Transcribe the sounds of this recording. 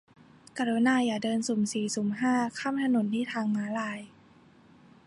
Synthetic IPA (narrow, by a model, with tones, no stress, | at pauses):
kaː˧ɾo˧˦naː˧˩jaː˨˩dɤː˧nsu˨˩˦msiː˨˩su˨˩˦mɦaː˥˩kʰaː˥˩mt̪ʰa˧no˨˩˦nt̪ʰiː˥˩t̪ʰaː˧ŋmaː˨˦laː˧j